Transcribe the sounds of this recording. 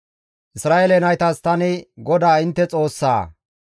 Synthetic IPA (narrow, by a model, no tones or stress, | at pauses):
ʔɪsɾaːʔelɛnɐjt̪ɐst̪ɐnɪɡɔd̪aːɪnt̪ːɛt͡sʼo̞ːsːa̰ː